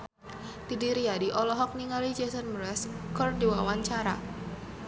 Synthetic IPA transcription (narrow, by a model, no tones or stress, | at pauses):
d̥idiɾiadiʔɔlɔɦɔk̚niŋalid͡ʒesənmɾɛskɔrdiwawaɲt͡ʃaɾa